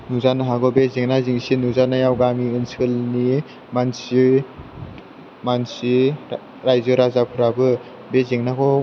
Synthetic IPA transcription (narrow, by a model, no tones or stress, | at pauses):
nuzanaɦaɡɔbezeŋnaziŋsinuzanajawɡamiɯnsɯlni | mansi | mansi | ɾajzɯɾazapʰɯɾabɯ | bezeŋnakɔ